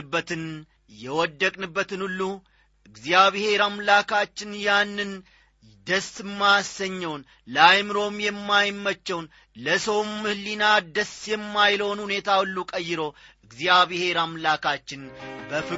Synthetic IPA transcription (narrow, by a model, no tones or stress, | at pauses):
ɨbːət̪ɨn | jɛwɔd̪ːəkʼnɨbːət̪ɨnulːu | ɨɡzjaβɪhe̞ɾamlakʰat͡ʃːɪnjanːɨn | d̪əsɨmːasəɲːɛwn | lajmɨɾo̞mjɛmːajmːət͡ʃːɛwn | ləsəwmːɨhɨlːinad̪əsjɛmːajlownhune̞t̪ʰawulːukʼəjːɪɾo̞ʔɨɡzijaβɪheɾamlakʰat͡ʃːɪnbəfɨ